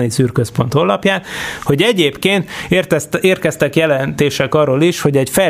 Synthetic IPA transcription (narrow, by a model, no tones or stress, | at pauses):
nisyːrkøspo̞nt̪o̞lɒpjaːt̪ho̞ɟɛɟeːpkeːnt̪reːrkɛst̪ɛkjɛlɛnt̪eːʃɛkɒrːoːliʃho̞ɟɛcfɛ